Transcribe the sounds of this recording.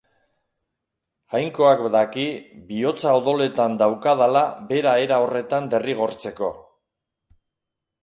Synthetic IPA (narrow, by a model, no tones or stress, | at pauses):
ɣajŋko̞akbðakibio̞t͡saoðo̞le̞t̪and̪awkaðalabe̞ɾae̞ɾao̞re̞t̪and̪e̞riɣ̞o̞ɾt͡se̞ko̞